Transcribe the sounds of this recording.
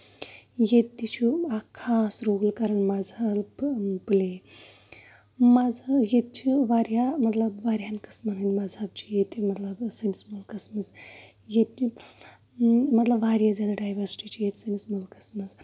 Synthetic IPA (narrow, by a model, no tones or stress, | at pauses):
jet̪t̪ːit͡ʃʰuakʰasɾoɡlkɐɾəɳmad͡zalple | mad͡zajet̪̚t͡ʃʰiʋaɾjamɐt̪lɐbʋaɾjankɐ̥smənənʲmazab̚t͡ʃijet̪mɐt̪ləbsensmulkɐsməz | jet̪i | mɐt̪lɐbʋaɾjazjaːd̪aɖaːjʋəɾsi̥ʈit͡ɕijet̪sensmulkɐ̥smɐz